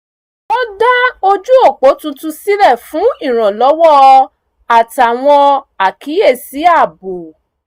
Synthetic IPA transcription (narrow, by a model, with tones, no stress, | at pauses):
o˦da˦o˧d͡ʒu˦o˦˨k͡po˨˦tũ˧tũ˧si˦ɾɛ˦˨fũ˨˦i˦˨ɾ̃ã˨lɔ˨˦wɔ˦˧ | a˨ta˨w̃ɔ̃˧a˨ki˨˦e˦˨si˨˦a˦˨bo˨